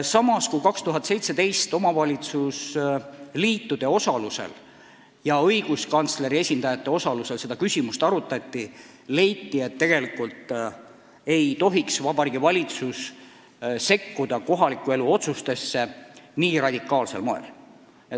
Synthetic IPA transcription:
sɑmɑskujkɑkst̪uɦɑt̪ːse̞jt̪se̞t̪e̞jst̪o̞mɑvɑlʲit̪sus | liːt̪ːud̪̥e̞o̞sɑluse̞̰l | jɑɤjɡ̥uskɑnt̪sle̞ɾie̞sʲind̪ɑjɑt̪ːˑe̞o̞sɑluse̞lse̞d̪ɑkysʲimust̪ɑɾut̪ːˑɑt̪ʲːi | le̞jt̪ːie̞t̪ːe̞ɡ̥e̞likult̪ | e̞jt̪o̞ɦiksvɑbɑɾiːɡivɑlʲit̪sus | se̞kːud̪̥ɑko̞ɦɑlikːˑue̞luo̞t̪sust̪e̞sːe̞niːrɑd̪ʲikːˑɑːlse̞lmoḛl

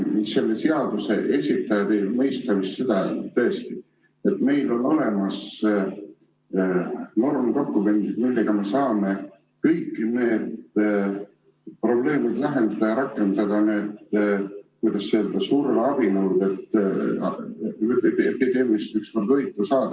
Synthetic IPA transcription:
se̞lːe̞se̞ɑd̪use̞̰ʔe̞sʲit̪ːˑɑjɑt̪ejlmɤjst̪ɑvist̪se̞d̪̥ɑt̪ɤ̞est̪i | e̞t̪me̞jlo̞no̞le̞mɑs | no̞rmko̞kːumend̪̥id̪milːeɡ̥ɑme̞sɑːme̞ | kɤjkːine̞ːd̪ | pro̞ble̞ːmid̪̥læɦe̞nd̪̥ɑd̪̥ɑjɑɾɑkːˑe̞nd̪ɑd̪ɑniet̪ | kujd̪ɑsseld̪̥ɑsuːɾelɑb̥inɤwrd̪et̪ː | eepepid̪̥e̞ːmiist̪ykskord̪vɤjt̪ːˑusɑːd̪̥ɑ

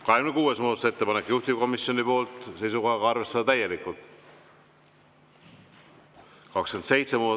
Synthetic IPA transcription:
kɑɦekmnekuːesmuːd̪ɑt̪use̞t̪ːe̞pɑnekːˑjuht̪iko̞misjo̞nipo̞ːlt̪ˑse̞jsuko̞jɑɡɑɑrve̞st̪ɑd̪ɑt̪æje̞likˑult̪ˑ | kɑkskense̞jt̪semuːd̪

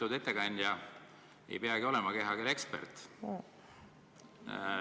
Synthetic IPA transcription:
ud̪e̞t̪ːekɑnʲd̪jɑ | ḛjpeɑɡio̞lemɑke̞ɦɑkeɾekspert̪ˑ

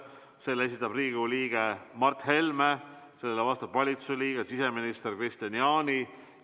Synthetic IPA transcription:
se̞ːles̬it̪ːˑɑbriːɡuliːɡ̥e̞mɑrt̪ːˑhe̞lme | se̞lːelevɑst̪ɑb̥vɑlʲit̪sususeliːɡ̥esise̞minist̪erkrist̪ɑniɑːnʲi

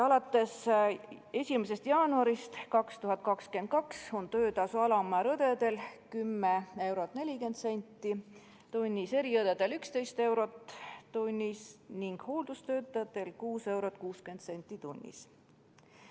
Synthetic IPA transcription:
ɑlɑt̪ːˑe̞s | e̞sʲimes̬e̞st̪jɑːnuɑɾist̪kɑkst̪uɦɑt̪̚ːˑkɑkske̞nd̪̚kɑkso̞nt̪ø̞ːt̪ɑsuɑlɑmɑɾɤd̪̥e̞d̪e̞lkymːee̞wɾo̞t̪ne̞lʲike̞nd̪se̞nʲt̪ːˑi | t̪unʲːise̞ɾiɤd̪ed̪elykst̪e̞jst̪e̞wɾo̞t̪tːunʲːisniŋɡ̥ho̞ːld̪ust̪ø̞ːt̪ːˑɑjɑt̪ːˑe̞lkuːse̞wɾot̪̚ːˑkuːske̞nt̪se̞nʲt̪ːˑit̪unʲːḭs

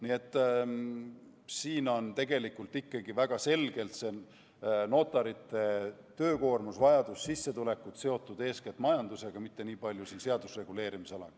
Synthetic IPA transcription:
nie̞t̪ˑː | siːno̞nt̪e̞ɡ̥e̞likːˑult̪ikːɑɡ̥ivæɡ̥ɑse̞lɡ̥e̞lt̪se̞ | no̞t̪ːˑɑɾit̪ːˑe̞ | t̪ø̞ːko̞ːrmusvɑjɑd̪̥usːisːe̞t̪ule̞kːut̪se̞o̞t̪ːˑud̪̥e̞ːsket̪ˑmɑjɑnd̪̥use̞ɡ̥ɑmit̪ːe̞niːpɑlʲjusiːnse̞ɑd̪̥usre̞ɡ̥uleːɾimisolɑ̰ɡ

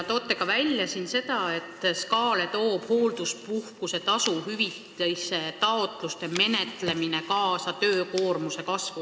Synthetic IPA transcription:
t̪o̞ːt̪ːˑe̞ɡ̥ɑvælʲjɑsinse̞d̪ɑe̞t̪ːˑskɑːle̞t̪o̞ːb̥ho̞ːld̪̥uspuhkuse̞t̪ɑsuɦyvit̪ːˑejse̞t̪ɑot̪ˑlust̪e̞me̞ne̞t̪ˑle̞mine̞kɑːsɑt̪ø̞ːko̞ːrmuse̞kɑsvu

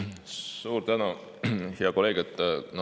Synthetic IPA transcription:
suːɾt̪ænu | heɑko̞le̞ɡ̥et̪ːˑnɑ

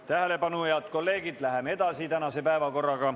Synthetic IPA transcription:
t̪æɦele̞pɑnueɑd̪ko̞lːe̞ːɡ̥id̪̥læɦemee̞d̪̥ɑsit̪ænɑse̞pæevɑko̞rːɑɡ̥ɑ

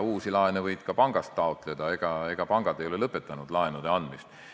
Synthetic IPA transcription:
uːsilɑenevɤjd̪̥kɑpɑŋɡ̥ɑst̪ːɑot̪ˑle̞d̪̥ɑe̞ɡ̥ɑe̞ɡ̥ɑpɑŋɡ̥ɑd̪̥ejo̞le̞lɤpːe̞t̪ːˑɑnud̪̥lɑenud̪̥e̞ɑnd̪mist̪

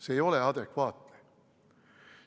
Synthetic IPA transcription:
seːjo̞leɑd̪ekvɑːt̪li̥

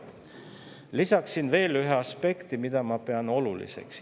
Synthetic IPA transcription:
lisɑksinve̞ːlyɦeɑspe̞kt̪imid̪̥ɑmɑpe̞ɑno̞lulḭse̞̰ks

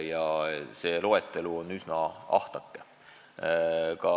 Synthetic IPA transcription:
jɑse̞ːlo̞et̪ːˑe̞luonːysnɑɑ̰ht̪ɑkːˑe | kɑ

